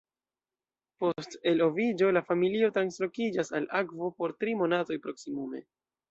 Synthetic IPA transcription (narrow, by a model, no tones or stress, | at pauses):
po̞ste̞lo̞vid͡ʒo̞lafamilio̞tɾanslo̞kid͡ʒasalakvo̞po̞ɾtɾimo̞nato̞jpɾoksimume̞̰